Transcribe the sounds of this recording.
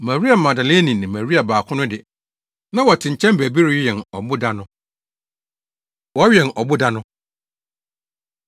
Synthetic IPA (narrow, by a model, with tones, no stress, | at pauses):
mã˨wi˦a˨mã˨da˨leː˦nĩ˨nɪ̃˨mæ̃˨ɾi˦a˨baː˨kʰʊ̃˦nʊ̃˦dɪ˨ | nã˦wɔ˨tʰɪ̃˨ɲ̩˨t͡ɕʰɛ̃˦mbæ˨bi˦ɾɪ˦jɛ˨nɔ˨bʊ˦da˦nʊ̃˦ | wɔ˦ɥɛ˨nɔ˨bʊ˦da˦nʊ̃˦